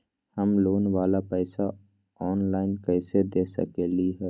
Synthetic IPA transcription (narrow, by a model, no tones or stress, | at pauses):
həmloːnwaːlapɛɪsa | ɔːnlaːɪnkɛɪsed̪eːsə̰keliɦɛː